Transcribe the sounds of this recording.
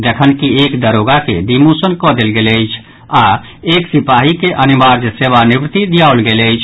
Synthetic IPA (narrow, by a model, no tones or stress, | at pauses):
d͡ʒəkʰənkiekd̪əɾoɡakḛd̪imusənkɔd̪elɡeləjt͡ʃʰ | a | eksipaɦikeʔənimaɾd͡ʒseβanibɾt̪id̪ijaolɡeləɪt͡ʃʰ